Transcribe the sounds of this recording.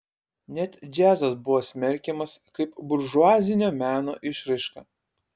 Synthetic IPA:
nʲɛt̪ʲd͡ʒʲæːzɐsbʊʋoːsʲmʲɛɾʲkʲɛmɐskɐɪpbʊɾʒʊɑːzʲɪnʲoːmʲæːno̰ːʔɪʃɾɐɪʃkɑ̰ː

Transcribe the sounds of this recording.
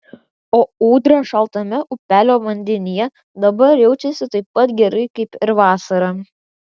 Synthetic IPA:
oːuːd̪ɾɐʃɐlˠt̪ɐmʲɛʔʊpʲæːlʲoːʋɐnʲd̪ʲɪnʲɪjɛ | d̪ɐbɐɾjɛʊt͡ʃʲɛsʲɪt̪ɐɪpːɐt̪ɡʲɛɾɐɪkɐɪpɪɾʋɑːsɐɾɑ

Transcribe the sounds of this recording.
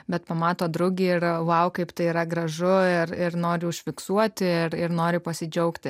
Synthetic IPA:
bʲɛt̪pɐmɑːt̪oːd̪ɾʊɡʲiːɪrʋɐʊkɐɪpt̪ɐɪiːɾɐɡɾɐʒʊɪrɪrnoːɾʲɪʊʃʲfʲɪksuɔt̪ʲɪɪɾɪɾnoːɾʲɪpɐsʲɪd͡ʒʲɛʊkt̪ʲɪ

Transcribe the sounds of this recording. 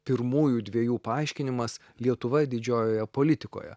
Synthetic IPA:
pʲɪɾmuːjuːd̪ʲʋʲiɛjuːpɐɐɪʃʲkʲɪnʲɪmɐs | lʲiɛt̪ʊʋɐd̪ʲɪd͡ʒʲoːjoːjɛpoːlʲɪt̪ʲɪko̰ːjɛ̰

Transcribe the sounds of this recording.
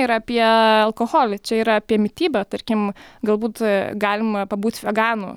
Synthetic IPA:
iɾɐpʲiɛɐlˠkoːɣoːlʲɪt͡ʃʲɛiːɾɐɑpʲiɛmʲɪt̪ʲiːbʲɛt̪ɐrʲkʲɪmɡɐlˠbuːt̪ɡɑːlʲɪmɐpɐbuːt̪ʲʋʲɛɡɑːnṵ

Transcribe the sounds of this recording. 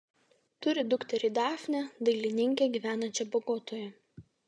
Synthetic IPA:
t̪ʊɾʲɪd̪ʊkt̪ʲɛɾʲiːd̪ɑːfʲnʲɛd̪ɐɪlʲɪnʲɪŋʲkʲeːɡʲiːʋʲæːnɐnʲt͡ʃʲɛboːɡoːt̪oːjɛ

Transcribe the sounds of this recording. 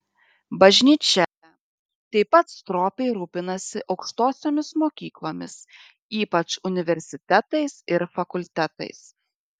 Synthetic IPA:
bɐʒʲnʲiːt͡ʃʲɛ | t̪ʲɐɪpɐt̪st̪ɾoːpʲɛɪɾuːpʲɪnɐsʲɪʔɒʊkʃt̪oːsʲoːmʲɪsmoːkʲiːklˠoːmʲɪs | iːpɐt͡ʃʊnʲɪʋʲɛɾʲsʲɪt̪ʲɛt̪ɐɪsɪɾfɐkʊlʲt̪ʲɛt̪ɐ̰ɪs

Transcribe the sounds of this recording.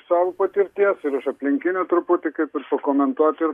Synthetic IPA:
sɑːʋopɐt̪ʲɪɾʲt̪ʲiɛsɪɾʊʃɐpʲlʲɪŋʲkʲɪnʲot̪ɾʊpʊt̪ʲɪkɐɪpɪɾpɐkoːmʲɛnt̪uɔt̪ʲɪɾ

